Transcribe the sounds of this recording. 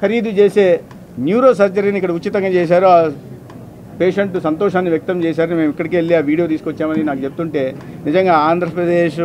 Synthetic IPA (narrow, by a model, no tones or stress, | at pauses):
kɐɾiːd̪ut͡ʃeːse̞ː | njuːɾo̞ːsɐɾt͡ʃɐɾinikːɐɽɐuːit̪ɐŋɡaːt͡ʃeːs̬aːɾuaː | peːʂeɳʈusɐnt̪ɔːʃaːnːiʋjɐk̚t̪ɐmt͡ʃeːs̬aːɾɐnime̞ːmikːɐɽikeɭːiaːʋiːɽijo̞ːt̪iːsukot͡ʃːaːmɐninaːkut͡ʃep̚u̥t̪uɳʈe̞ːnid͡ʒɐŋɡaːaːnd̪ʱɾɐpɾɐd̪eːʃ